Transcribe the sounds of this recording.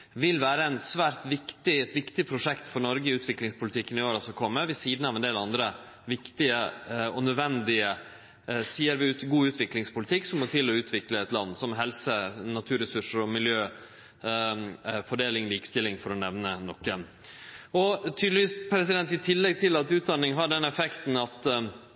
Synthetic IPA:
ʋɪlːʋæːɾəæɪnsʋæːɾt̪ʋɪkt̪ɪɛt̪ʋɪkt̪ɪpʰɾʊʂɛkt̪fɔɾnɔɾɡəɪʉːt̪ʰʋɪklɪŋspʰʊlɪt̪ʰɪkːənɪoːɾəsɔkʰɔmːəʋɪsiːd̪nɑʋɛnd̪eːlɑnd̪ɾə | ʋɪkt̪ɪəɔnœd̪ʋɛnd̪ɪə | siːəɾʋɪɡuːʉːt̪ʰʋɪklɪŋspʊlɪt̪ʰɪkːsɔmɔt̪ʰɪlɔʉːt̪ʰʋɪkləɛt̪lɑnːsɔmɦɛlsənɑt̪ʰʉːɾɛsʉʂəɾɔmɪljøː | fɔɖeːlɪŋliːkə̥st̪ɪlːɪŋfɔɾɔnɛʋnənɔkːə | ɔt̪ʰyːd̪lɪʋiːspʰɾɛs̬ɪd̪ɛnt̪ɪt̪ʰɪlːɛɡ̚t̪ʰɪlɑt̪ʉːt̪̚d̪ɑnːɪŋɦɑɖɛnːɛfɛkt̪n̩ɑt̪

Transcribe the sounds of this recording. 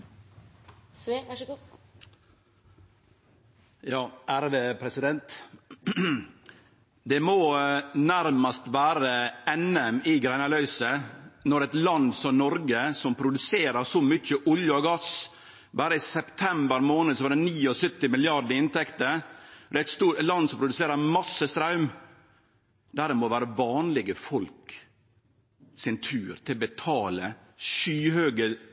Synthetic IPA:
jɑːʔæɾʋəpʰɾɛsɪd̪ɛnt̪ | d̪ɛmoːnæɾmɑst̪ʋæːɾəɛnɛmɪɡɾæɪnɑlœʏsənɔɖɛt̪lɑnd̪sɔmnɔɾɡəsɔmpʰɾʊd̪ʉseːɾəɾsɔmʏt͡ʃːəʔʊljʊɑɡɑs | bɑːɾəɪsɛpt̪ʰɛmbəɾmoːnəd̪sɔʋɑɾɖ̪ɛniːɔsʏt̪ːɪmɪlɪɑɖ̪əɪnt̪ʰɛkt̪əɾɔd̪ɛæɪt̪st̪uːlɑnd̪sɔmpɾʊd̪ʉseːɾəɾmɑsːəst̪ɾɑʉm | d̪æːɾɛmɔʋæːɾəʋɑːnlɪɡəfɔlk | sɪnt̪ʰʉːɾt̪ʰɪlbət̪ʰɑːlə | ʃyːhøːɡə

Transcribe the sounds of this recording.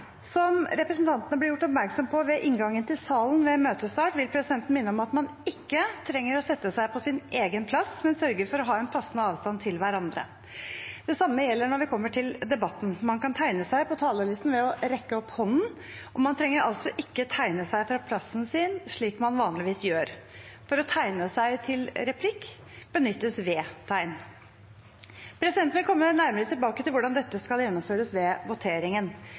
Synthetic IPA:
sɔmɾɛpɾɛsn̩t̪ɑnt̪ənəblɪɾjʊʈːɔpmæɾksɔmpʰɔʋɛʔɪŋɡɑŋːənt̪ʰɪlsɑːlnʋɛmøːt̪əst̪ɑːʈʋɪlpʰɾɛsɪd̪ɛnt̪n̩mɪnːəɔmɑt̪mɑn | ɪkːət̪ʰɾɛŋːəɾɔsɛt̪ːəsæɪpʰɔsɪnʔeːɡənpʰlɑsmɛnsœɾɡəɾfɔɾɔɦɑːɛnpʰɑsn̩əɑːʋst̪ɑnt̪ʰɪlʋæɾɑnd̪ɾə̰ | d̪̥ɛsɑmːəjɛlːəɳɔɾʋɪkʰɔmːəʈʰɪld̪ɛbɑt̪ːn̩mɑnkɑnt̪ʰæɪnəsæɪpɔt̪ʰɑːləlɪst̪n̩ʋɛɔɾɛkːəɔpːhɔnːn | ʔɔmɑnt̪ʰɾɛŋːəɾɑ̰lsɔʔɪkːət̪ʰæɪnəsæɪfɾɑːpʰlɑsnsiːnʂɭiːkmɑnʋɑːnlɪʋiːsjøːɾfɔɾɔt̪ʰæɪnəsæɪt̪ʰɪlɾɛpʰlɪkː | b̥ənʏt̪ːəsʋɛːt̪ʰæɪn | pʰɾɛsɪd̪ɛnt̪ʋɪlkʰɔmːənæɾməɾət̪ʰɪlbɑːkət̪ʰɪlʋʊɖɑnd̪ɛt̪ːəskɑljɛnːɔmføːɾəsʋɛʋʊt̪ʰeːɾɪŋən

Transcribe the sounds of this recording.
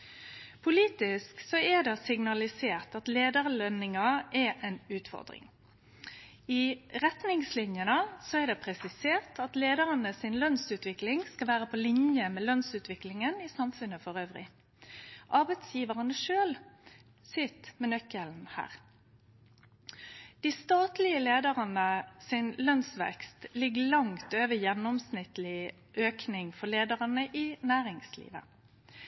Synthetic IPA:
pʰʊliːt̪ɪsksɔɛd̪ɛsɪŋnɑlɪseːʁt̪ɑt̪leːd̪əʁlœnɪŋɑʔɛʔɛnʉːt̪fɔ̰ʁd̪ʁɪ̰ŋ | ɪʁɛt̪nɪŋslɪnjənəsɔɛʁd̪ɛpʰʁɛsɪseːʁt̪ʰɑt̪leːd̪əʁənəsɪnlœnsʉːt̪ʋɪklɪŋskɑʋæːʁəpʰɔlɪnjəmɛlœnsʉːt̪ʋɪklɪŋənɪsɑmfʉnːəfɔʁøːʋʁɪ̰ | ʔɑʁbɛt̪sjiːʋəʁənəʃøːl | sʏt̪mɛnœkəln̩hæ̰ːʁ | d̪̥ɪst̪ɑːt̪lɪəleːd̪əʁɑnəsɪnlœnsʋɛ̰kst̪lɪɡəlɑŋt̪øːʋəjɛnːɔmsnɪt̪lɪ | ʔøːknɪŋfɔleːd̪əʁɑnəʔɪnæːʁɪŋslḭːʋə̰

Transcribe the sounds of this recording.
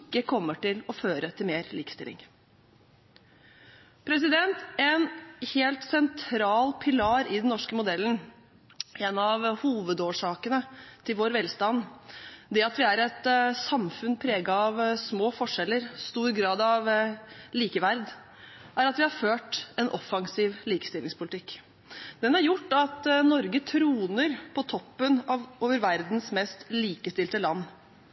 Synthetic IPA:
ɪkːəkʰɔmːəʈɪlɔføːɾət̪ʰɪlmeːɾliːkə̥st̪ɪ̰lʔɪ̰ŋ | pʰɾɛsɪd̪ɛnt̪ɛnheːlt̪sɛnt̪ʰɾɑːlpʰɪlɑːɾɪd̪nnɔʂkəmʊd̪ɛlːn | ɛnɑʋhuːʋəd̪oːʂɑːkənət̪ʰɪlʋoːɾʋɛlst̪ɑnd̪ɛɑt̪ʋɪæɾɛt̪sɑmfʉnpʰɾeːɡɑɑʋsmoːfɔʂɛlːəɾst̪uːɾɡɾɑːd̪ɑʋliːkəʋæɾd̪ | ʔæɾɑt̪ʋɪhɑɾføːʈɛnʔɔfːɑŋsiːʋliːkə̥st̪ɪlɪŋspʰʊlɪt̪ʰɪkː | d̪̥ɛnæɾjʊʈːɑt̪nɔɾɡət̪ʰɾuːnəɾpʰɔt̪ʰɔpːənɑʋʔoːʋəɾʋæɾd̪n̩smɛst̪liːkəst̪ɪlt̪əlɑnː

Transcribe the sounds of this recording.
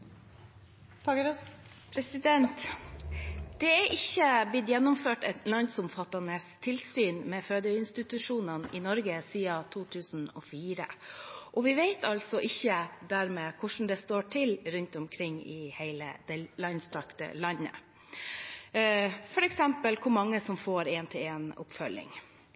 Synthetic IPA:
fɑɡɾ | pʰɾɛsɪd̪ɛnt̪ | d̪̥ɛæʔɪçːəb̪ɪt̪jɛnːʊmføːʈɛt̪lɑnsʊmfɑt̪ːɑnəst̪ʰɪlsyːnmɛːføːd̪əɪnst̪ɪt̪ʉʂuːnɑnɪnɔɾɡəsiːɑt̪ʰuːt̪ʰʉːsn̩ɔ̰ːfiːɾə̰ʔɔʋɪʋeɪt̪ɑltsɔʔɪçːəd̪æɾmeːkʰʊʂn̩d̪ɛst̪oːʈʰɪlɾʉnt̪ɔmkʰɾɪŋːɪheɪlə̰d̪̥ɛlɑɪnst̪ʰɑkt̪ə̰lɑɲːə̰ | fɔɾɛksɛmpəlkʰʊɾmɑŋːəsɔmfoːɾeːnt̪ʰɪleːnʊ̰pfœlːɪ̰ŋ

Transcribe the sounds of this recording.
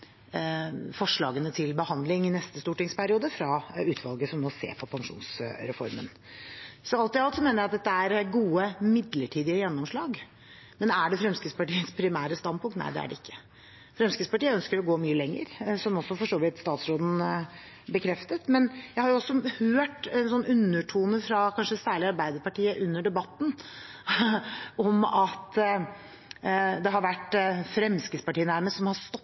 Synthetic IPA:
fɔʂɭɑːɡənət̪ʰɪlbəhɑnd̪lɪŋɪnɛst̪əst̪uːʈɪŋspʰæɾɪuːd̪əfɾɑʉːt̪ʰʋɑlɡəsɔmnoːsḛːpʰɔpʰɑŋʂṵːnsɾɛfɔ̰ɾmə̰n | sɔɑlt̪ɪɑlt̪sɔmeːnəjæɪɑt̪̚d̪ɛt̪ːəæɾɡuːəmɪd̪ləʈʰiːd̪ɪəjɛnːɔmʂɭɑːɡ | mɛnæɖɛfɾɛmskəspɑʈiːəspʰɾɪmæːɾəst̪ɑnpʊŋkt̪næ̰ɪd̪ɛ̰æ̰ɖɛ̰ɪkːə̥ | fɾɛmskəspɑʈiːəœnskəɾɔɡoːmyːəlɛŋːə̰ɾsɔmɔsːɔfɔʂoːʋɪt̪st̪ɑːt̪sɾoːd̪n̩ | bəkʰɾɛft̪ət̪mɛnjæɪhɑɾjʊɔsːɔhøːʈɛnsɔnːʉnːəʈʰuːnəfɾɑkʰɑnʂəsæːɭɪɑɾbæɪd̪əɾpɑʈiːəʔʉnːəɖɛbɑt̪ːn̩ | ɔmɑt̪ | d̪ɛɦɑɾʋæʈːfɾɛmskəspɑʈiːənæɾməst̪sɔmhɑst̪ɔ

